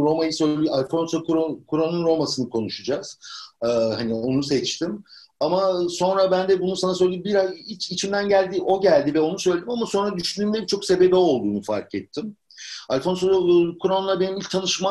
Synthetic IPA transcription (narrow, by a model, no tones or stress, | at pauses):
ɾo̞majɯsø̞jlʲijalʲfo̞nsokʰuɾokʰuɾonunɾo̞masɯnɯkʰo̞nuʃud͡ʒaz̥ɯːhanio̞nusɛt͡ʃt̪ʰim | amaso̞nɾabænd̪ɛbunusanasølʲed̪imbiɾait͡ʃit͡ʃʰimd̪ænɟælʲd̪iʔo̞ɟælʲd̪ivɛo̞nusø̞jlʲed̪imamaso̞nɾad̪yʃynd̪yːnd̪ɛbit͡ʃʰo̞kse̞be̞bio̞lˠd̪uːnufa̰ɾkɛt̪ʰːim | alʲfo̞nsokʰuɾonulˠabe̞nimilʲc̚t̪ʰanɯʃma